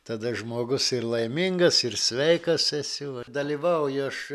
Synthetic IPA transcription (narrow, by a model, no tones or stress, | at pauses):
t̪ɐd̪ɐʒmoːɡʊsɪrlˠɐɪmʲɪŋɡɐsɪrsʲʋʲɛɪkɐsɛsʲʊʋɐd̪ɐlʲiːʋɐʊjɐʃ